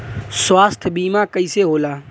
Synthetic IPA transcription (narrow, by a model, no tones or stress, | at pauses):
sʋaːst̪ʰbiːmãːkəiseːɦoːlaː